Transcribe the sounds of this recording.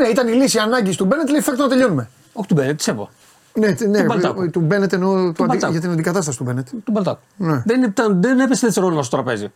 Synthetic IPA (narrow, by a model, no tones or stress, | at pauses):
neit̪ɐnilisiɐnɐɲɟist̪ubenet̪leifekt̪onɐt̪e̞ʎo̞nume | oçit̪ubenet̪isevo̰ | net̪nebɐt̪ube̞net̪eno̞t̪oɐɐʝɐt̪inɐnd̪ikɐt̪ɐst̪ɐsit̪ube̞net̪e̥t̪ubɐlt̪ɐt̪u̥neðennet̪ɐðenepesnet͡sseɾolonɐst̪ot̪ɾɐpe̞zḭ